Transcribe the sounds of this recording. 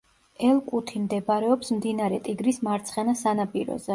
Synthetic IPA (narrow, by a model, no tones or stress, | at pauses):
ɛlˠkʼut̪ʰimd̪ɛbaɾɛɔpsmd̪inaɾɛt̪ʼiɡɾismaɾt̪sʰχɛnasanapʼiɾɔ̰zɛ